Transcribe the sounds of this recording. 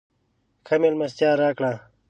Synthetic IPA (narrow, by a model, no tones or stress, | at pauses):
kʰɐmelmɐst̪jaːɾaːkɽaː